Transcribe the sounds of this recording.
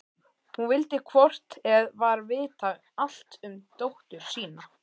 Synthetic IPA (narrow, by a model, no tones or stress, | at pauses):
hunvɪlt̪ɪkʰvɔr̥t̪ɛðvaɾvɪðt̪aɣ | al̥t̪ʏmt̪owht̪ʏɾ̥siːna